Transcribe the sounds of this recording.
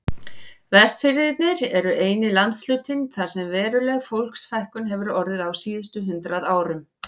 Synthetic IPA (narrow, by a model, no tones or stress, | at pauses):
vɛst̪fɪɾɪðɪt̪nɪɾɛɾʏʔeːjnɪlant̪slʏːt̪ɪnθaɾ̥sɛmvɛːɾʏlɛɣfowl̥ksfajhkʏnɦɛvʏɾɔɾðɪðawsiːðɪst̪ʏɦʏnt̪ɾaðaːwɾʏm